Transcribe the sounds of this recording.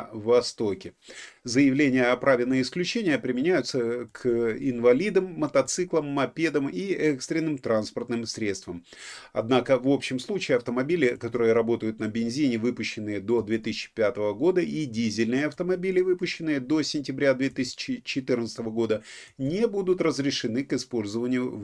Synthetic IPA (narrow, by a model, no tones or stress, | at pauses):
vɐst̪o̞kʲɪzəjɪvlʲenʲɪjəɐpɾʔavʲɪlʲnɨjəɪsklʲʉt͡ɕenʲɪjəpɾʲɪmʲɪnʲæjʊt̪səkʰɪnvɐlʲid̪əmːət̪ɐt̪sɨklˠəmːɐpʲed̪əmiɛkst̪ɾʲɪnːɨmt̪ɾanspərt̪nɨmsɾʲet̪st̪vəm | ɐ̰d̪nakəvo̞pɕːɪmslˠut͡ɕɪːɐft̪əmɐbʲilʲɪkɐt̪o̞ɾɨjəɾɐbo̞t̪əjʊt̪nəbʲɪnzʲinʲɪvɨpʊɕːɪnːɨjəd̪o̞d̪vʲet̪ɨsʲɪ̥t͡ɕːɪ̥pʲat̪əvəɡo̞d̪əʔidʲizʲɪlʲnɨjəɐft̪əmɐbʲilʲɪvɨpʊɕːɪnɨjəd̪o̞sʲɪnʲtʲɪbɾʲad̪vʲet̪ɨsʲɪ̥t͡ɕɪt͡ɕːɪt̪ɨrnt̪sɨt̪əvəɡo̞d̪ənʲebud̪ʊt̪rəzɾʲɪʂɨnɨkɪspo̞lʲzəvənʲɪjʊ